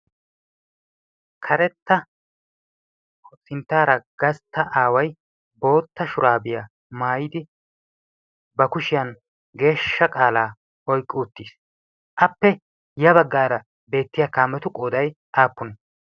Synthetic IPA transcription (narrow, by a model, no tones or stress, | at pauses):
kʰɐɾɛt̪ːɐ | ʔɔt͡sʼːɪnt̪ːaːɾɐɡ̥ɐst̪ːɐʔaːwɐj | bo̞ːt̪ːɐʃʊɾaːbɪja | maːjɪd̪ɪ | bɐkʊʃɪjɐn | ɡe̞ːʃːɐkʼaːlaː | ɔjkʼːɪʊt̪ːiːs | ʔɐpːɛ | jɐbɐɡːaːɾɐ | be̞ːt̪ːɪjakaːmːɛt̪ʊkʼoːd̪ɐj | ʔaːpːʊn